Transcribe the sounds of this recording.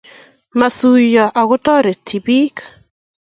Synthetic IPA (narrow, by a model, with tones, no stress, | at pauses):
ma˨su˨jɔ˨ʔa˨ɣʊ˦t̪ɔ˦ɾe˨t̪ʰi˨bi˦k